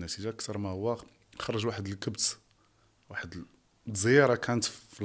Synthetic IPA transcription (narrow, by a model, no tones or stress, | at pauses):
nːæt̪iʒaəkt̪ɑɾˤmahʊwːæ | xɑɾˤɑʒwaħəd̪əlkəbs | waħəd̪ | zˤəjɑɾˤɑkʰænət̪fil